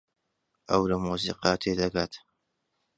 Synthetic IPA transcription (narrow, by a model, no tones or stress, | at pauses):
ʔɐwlɐmuːzḭːqɑːt̪ʰeːd̪ɐɡaːt̪